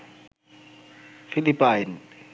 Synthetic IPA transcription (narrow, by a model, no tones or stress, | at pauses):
filipːajn